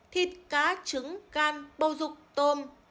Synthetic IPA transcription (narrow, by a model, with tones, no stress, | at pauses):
t̪ʰi˨˩t̚kaː˨˦t͡ɕɨ˨˦ŋɣaː˧nɓə˨˩wzʊ˨˩k͡p̚t̪o˧m